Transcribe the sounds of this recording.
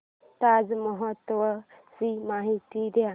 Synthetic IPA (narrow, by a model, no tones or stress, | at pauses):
t̪ad͡zməɦət̪ʋə | simaɦit̪id̪ja